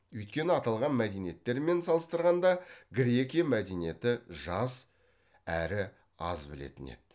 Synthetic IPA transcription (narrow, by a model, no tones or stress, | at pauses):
ɵjt̪kʲe̞nɪɑt̪ɑlˠʁɑnmæd̪e̞jnije̞t̪ːe̞ɾme̞nsɑlˠəst̪əɾʁɑnd̪ɑɡɾʲe̞kʲijamæd̪e̞nije̞t̪ɪʒɑs | æɾɪ | ɑ̰zbɪle̞̰t̪ɪne̞̰d̪̥